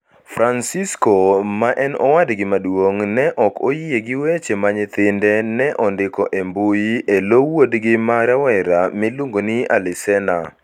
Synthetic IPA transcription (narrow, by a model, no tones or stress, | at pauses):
fɾansiskomaʔɛnɔ̰wadɡɪmadwoŋnɛʔɔkojijeɡɪwet͡ʃemaɲɪt̪ɪndɛnɛʔɔndɪkɔʔembujielowodɡɪmaɾawɛɾamiluŋɡonɪa̰lɪsɛna